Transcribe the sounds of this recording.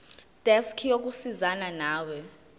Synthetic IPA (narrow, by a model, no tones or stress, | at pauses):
d̥ʱɛskʰijok̬usizananaːwɛ